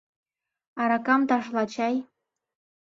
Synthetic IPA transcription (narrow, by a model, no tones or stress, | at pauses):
ɑɾɑkɑmt̪ɑʃlɑt͡ɕɑj